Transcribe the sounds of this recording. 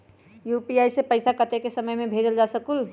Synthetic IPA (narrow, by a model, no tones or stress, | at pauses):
juːpiaːisepəɪsakɐt̪ekesɐməjmẽbʱeːd͡ʒəld͡ʒaːsəkul